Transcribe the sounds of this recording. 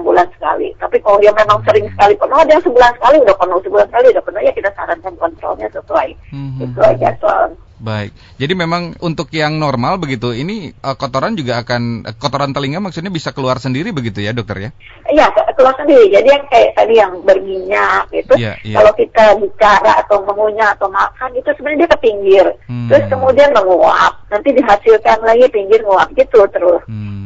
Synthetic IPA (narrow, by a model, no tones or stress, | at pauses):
əbulansə̥ka̰lḭt̪apikajaŋmemaŋsəɾɪŋsə̥kalipənɔadajasəbulansə̥kaliudahpənɔwsəbulansəkaliudahpərnahjakit̪asa̰ɾankankɔnt̪ɾɔ̰lɲa̰səsuaiɡit̪ua̰d͡ʒa̰t̪ | baɪk̚ | d͡ʒadimemaŋunt̪ʊkjaŋnɔrmalbəɡit̪uiniəkot̪oɾand͡ʒuɡaːkankɔt̪oɾant̪əliŋɡamaksut̪̚ɲabisakəluarsəndiɾibəɡit̪ujadɔk̚t̪ɔ̰rja | ijakəluarsəndiɾid͡ʒadijaŋkajaʔt̪adijaŋbərmiɲak̚ɡit̪ujakalowkit̪abit͡ʃaɾaat̪awməŋuɲaat̪awmakanit̪usəbənɲadiap̪əpiŋɡɪrt̪əɾʊskəmudianməŋoa̰p̚nant̪idiɦasilkanlaɡipiŋɡɪrŋoap̚ɡit̪ut̪əɾʊs